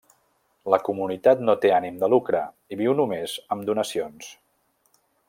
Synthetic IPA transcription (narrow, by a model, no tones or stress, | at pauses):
ləkumunit̪at̪not̪eanimd̪əlukɾə | iβiwnumezəmd̪unəsions